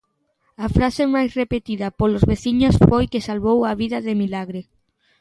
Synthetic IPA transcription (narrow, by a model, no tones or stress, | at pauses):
afɾasemajsrepet̪iðɐpolozβeθiɲosfojkɪsalβowaβiðɐðemilaɣɾe